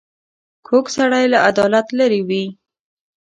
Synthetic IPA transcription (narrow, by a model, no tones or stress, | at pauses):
kʰoksaɽajlaad̪ɑlat̪laɾiwi